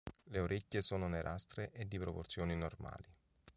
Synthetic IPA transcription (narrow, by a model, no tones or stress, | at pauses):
leoɾʔecʲːesɔːnoneɾʔast̪ɾeʔed̪ːipɾoport̪sjɔːninorma̰ːli